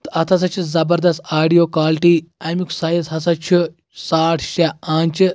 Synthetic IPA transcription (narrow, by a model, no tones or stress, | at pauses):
t̪ɨɐt̪ʰɐs̬ɐt͡ʃʰizɐbɐɾd̪ɐst̪aːɖijoːkaːliʈiːɐmiksaːjɐsɦɐsɐt͡ʃʰi | saːʈʰʃaaːnt͡ʃ